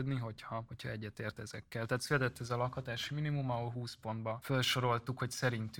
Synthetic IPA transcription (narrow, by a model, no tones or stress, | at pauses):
ød̪niɦo̞chɒho̞chɒ̰ɛɟːɛt̪eːrt̪ɛzɛkːɛlt̪ɛɦːt̪sylɛt̪ɛt̪ːɛzɒlɒkhɒt̪aːʃiminimumɒolɦuːspo̞nd̪bɒfølʃo̞ɾo̞lt̪ukho̞csɛɾint̪y